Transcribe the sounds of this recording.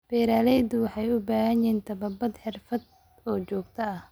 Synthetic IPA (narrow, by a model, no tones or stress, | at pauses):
b̥ɛːɾaːlɛjd̪ʊwɑħɑjʊbaːɦɐjɛːnt̪ʰɐβɐbɐd̪ħɪrfɐd̪ | ɔːt͡ʃɔːɡt̪ʰɐɐh